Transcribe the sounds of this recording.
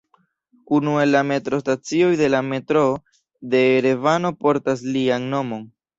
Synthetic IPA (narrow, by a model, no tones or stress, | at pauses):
unue̞lːame̞tɾo̞stat͡sio̞jde̞lame̞tɾo̞ | de̞ːɾe̞vano̞po̞ɾtaslianno̞mo̞n